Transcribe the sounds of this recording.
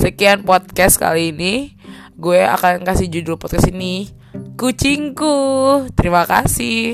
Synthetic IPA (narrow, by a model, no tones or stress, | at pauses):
səkianpɔt̪̚kɛska̰liːni | ɡuɛa̰kankasihd͡ʒudulpɔt̪kasini | kut͡ʃiŋkut̪əɾimaka̰sɪ